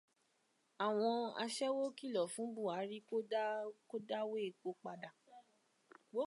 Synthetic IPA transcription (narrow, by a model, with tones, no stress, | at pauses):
a˨w̃ɔ̃˧a̰˧ʃɛ˦wo˦ki˦˨lɔ˨fũ˨˦bu˦˨a˨˦ɾi˦ko˦ko˦da˦we˦e˨k͡po˧k͡pa˧da˨ | wo˨˦